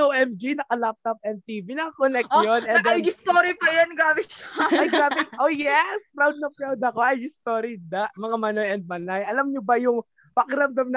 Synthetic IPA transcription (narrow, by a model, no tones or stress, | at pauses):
owʔɛmd͡ʒinɐkɐlap̚t̪ɐp̚ɛn̚t̪iːvinɐkɐkonɛk̚jonʔɛnd̪ɛɪst̪oɾipɐjɐnɡaːbɪʃaɐjaːbɪŋʔojɛskɾawd̪̚nɐpɾawd̪ɐko̞ʔɐjɡɪst̪oɾid̪aʔmɐŋamɐnojɐnd̪̚mɐnajʔɐlɐmɲʊbɐjʊŋ | pɐkɪɾɐmd̪amnɐ